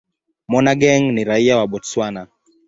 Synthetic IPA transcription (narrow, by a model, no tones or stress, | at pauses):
mɔnaɡɛŋniɾaiawaɓɔtswana